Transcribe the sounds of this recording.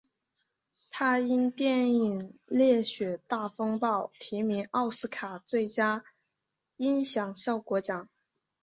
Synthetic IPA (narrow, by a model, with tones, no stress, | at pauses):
t̪ʰa˥i˥nt̪jɛ˥˩ni˨˩ŋljɛ˥˩ɕɥɛ˨˩t̪a˥˩fɤ˥ŋpɑ˥˩ʊt̪ʰi˧˥mi˧˥ŋɑ˥˧ʊsɹ̩˥kʰa˨˩t͡swe˥˩ɪt͡ɕja˥ | i˥nɕjɑ˨˩ŋɕjɑ˥˩ʊkwɔ˧˥t͡ɕjɑ˨˩˦ŋ